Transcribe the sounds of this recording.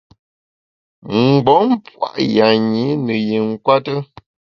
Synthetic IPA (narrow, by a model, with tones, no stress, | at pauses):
ŋ˨ɡ͡bɔ˨˦m˦p͡fwa̰˦˨ʔja˨ɲi˨˦nə˨je˨ŋ̩˦kwa˦tə˦